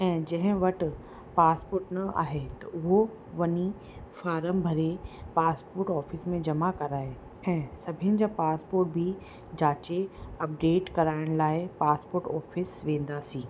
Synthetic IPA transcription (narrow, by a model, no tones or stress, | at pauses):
ɛ̃ːd͡ʑɐ̃ɦɪ̃ʋɐʈ̆ | paːspoːɾʈnɐa̰ːɦet̪ɐʔʊɦo | ʋɐni | faːɾəmbʱɐɾepaːspoːɾʈɔːfɪsmẽd͡ʑɐmakɐɾaːɦe | ɛ̃ːsɐbʱɪjənɪ̆d͡ʑaːpaːspoːɾʈ̚bʱɪ | d͡ʑaːt͡ɕeɐp̚ɖeːʈkɐɾaːɪɽ̃laːɪpaːspoːɾʈɔːfɪsʋẽːn̆d̪aːsĩː